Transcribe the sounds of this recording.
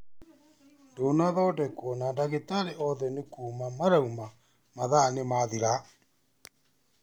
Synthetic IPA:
ndonaðɔdɛkwɔnandaɣetaɾeʔɔðɛnekuːmamaɾauma | maðanemaðiɾa

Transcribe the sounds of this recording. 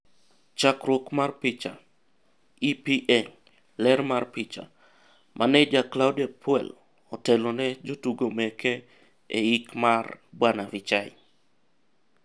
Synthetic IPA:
t͡ʃakɾwokmarpɪt͡ʃa | ipiʔɛŋ | lɛɾmarpɪt͡ʃa̰ | mʔanɛd͡ʒaklawdapʰwɛ̰l | ɔtɛlonɛd͡ʒotuɡomɛkʰɛ | eikmarbwanavit͡ʃaɪ

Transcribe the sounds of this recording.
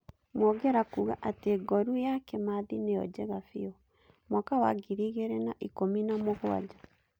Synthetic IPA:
mwɔɡɛɾakuːɣaʔateɡɔɾujakɛmaðinejɔ̰d͡ʑɛɣafiɔ | mwakawa̰ɡiɾiɣeɾɛnaʔikominamoɣwa̰d͡ʒa

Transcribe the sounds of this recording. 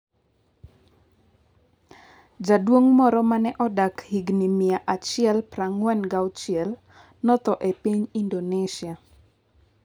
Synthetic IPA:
d͡ʒadwoŋmɔɾɔmanɛʔɔdakhiɡnimɪaʔat͡ʃɪjɛlpraŋwɛnɡawt͡ʃɪɛl | nɔt̪ɔʔepiɲindoneʃia

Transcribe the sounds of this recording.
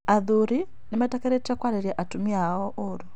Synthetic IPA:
aðuɾi | nimatakɛɾɛtakwaɾeɾiaʔatumiaɔʔoɾu

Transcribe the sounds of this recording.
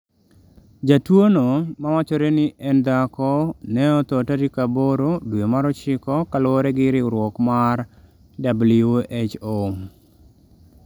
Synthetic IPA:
d͡ʒatwonomawat͡ʃɔɾenɪʔɛndakɔnɛɔt̪ɔtaɾikaboɾodwjomaɾɔt͡ʃɪkɔkalɔoɾɛɡɪɾɪɾwɔkmar | dabluʔet͡ʃo

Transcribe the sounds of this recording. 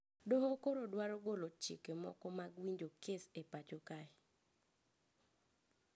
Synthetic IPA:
doɦokoɾodwaɾɔɡolot͡ʃḭkemɔ̰kɔmaɡwiɲd͡ʒokesepat͡ʃokaɪ

